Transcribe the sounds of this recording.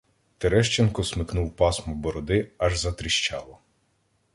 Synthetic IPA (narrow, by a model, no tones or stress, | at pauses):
t̪eɾɛʃt͡ʃenkɔsmɪknuwpɑsmɔbɔɾɔd̪ɪɐʒzɐt̪ɾɪʃt͡ʃɑlˠɔ